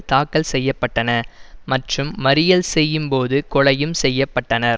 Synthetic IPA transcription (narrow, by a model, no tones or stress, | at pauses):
t̪aːkːɐlsɛjːɐpːɐʈːɐnɐmɐʈrɯmːɐɾɪjɐlsɛjːɯmpoːðɯkɔɻɐjɯmsɛjːɐpːɐʈːɐnɐɾ